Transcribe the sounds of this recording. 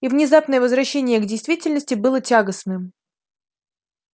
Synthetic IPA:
ivnʲɪzapnəjəvəzvɾɐɕːenʲɪjəɡdʲɪjst̪vʲitʲɪlʲnəsʲtʲɪbɨlˠətʲaɡəsnɨm

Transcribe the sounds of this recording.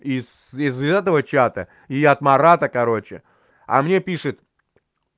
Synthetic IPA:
is | izzɛt̪əvət͡ɕat̪ə | iɐt̪mɐɾat̪əkɐɾo̞t͡ɕɪ̰ | ɐ̰mnʲe̞pʲiʂɨt̪

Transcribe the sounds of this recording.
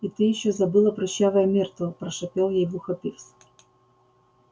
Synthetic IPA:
it̪ɪjiɕːɔzɐbɨlˠɐpɾʊɕːavɐjɛmʲɛrt̪vɔpɾɐʃɐpʲɛlˠjɛjvuxɐpʲifsʲ

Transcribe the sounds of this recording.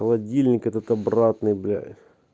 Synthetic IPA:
əlˠɐdʲilʲnʲɪkɛt̪ət̪ɐbrat̪nɨjblʲa̰

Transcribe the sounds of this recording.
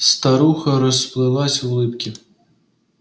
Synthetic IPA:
st̪aɾuxɐɾɔsplˠɨlˠasʲɐwlˠɪpkʲi

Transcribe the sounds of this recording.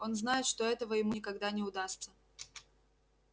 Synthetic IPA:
o̞nznajɪt̪ʂt̪o̞ɛt̪əvəjɪmunʲɪkɐɡd̪anʲɪʊd̪ast̪sə

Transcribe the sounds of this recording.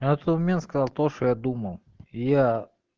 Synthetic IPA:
janɛt̪ot̪mɐmʲent̪skɐzɑlˠt̪oʂt̪ojad̪uməlˠ | ɪja

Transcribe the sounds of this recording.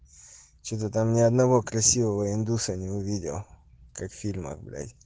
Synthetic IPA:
t͡ʃɛt̪ot̪amnʲɪɐd̪nɐvokɾɐsʲivəvəɪnd̪usɐnʲɪʊvʲidʲɪ̰w | kakfʲilʲmɐ̰kblʲa̰jʲ

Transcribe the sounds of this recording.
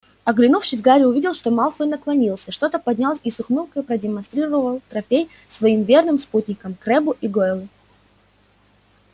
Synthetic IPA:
ɐɡlʲɪnufʂɨsʲɡaɾʲɪʊvʲidʲɪlˠʂt̪o̞malˠfənəklˠɐnʲilˠsʲəʂt̪o̞t̪əpɐdʲnʲalˠsʲisʊxmɨlˠkəjpɾədʲɪmɐnst̪ɾʲiɾəvəvəlˠt̪ɾɐfʲej | svɐimvʲe̞rnɨmsput̪ʲnʲɪkəmkɾɛbʊʔiɡojlˠɨ

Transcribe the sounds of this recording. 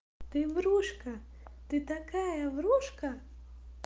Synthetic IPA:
t̪ɨʋɾuʃkɐt̪ɨt̪ɐkajɐʋɾuʃkɐ

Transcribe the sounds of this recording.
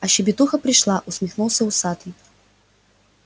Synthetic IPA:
ɐɕɪbʲɪt̪uxɐpɾʲɪʂlˠaʔʊsʲmʲɪxnulˠsʲɐusat̪i

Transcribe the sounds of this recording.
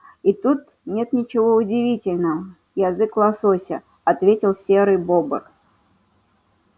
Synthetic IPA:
it̪ut̪ | nʲɛt̪nʲit͡ʃɪvɔud͡zʲivʲit͡sʲɪlʲnəɐ | jazɨklˠasɔsʲɐ | at̪vʲet͡sʲilˠsʲɛɾɨbɔbɨk

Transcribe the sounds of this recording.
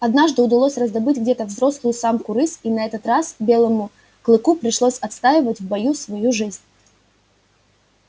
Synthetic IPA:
ɐd̪naʐd̪ɨʊd̪ɐlˠosʲrəzd̪ɐbɨtʲɡdʲet̪əvzɾo̞slˠʊjʊsamkʊɾɨsinɐɛt̪ət̪rasbʲe̞lˠəmʊ | klˠɨkupɾʲɪʂlˠosʲɐt̪st̪ajɪvətʲvbɐjusvɐjuʐɨzʲnʲ

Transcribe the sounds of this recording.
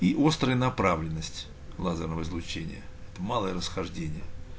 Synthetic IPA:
iʔo̞st̪ɾəjənɐpɾavlʲɪnːəsʲtʲ | lˠazʲərnəvəɪzlˠʊt͡ɕenʲɪ̰jəɛt̪əmalˠəjəɾəsxɐʐdʲenʲɪjə

